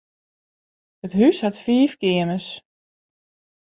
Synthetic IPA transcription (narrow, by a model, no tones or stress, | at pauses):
hətɦyshatfiːfkɪənəs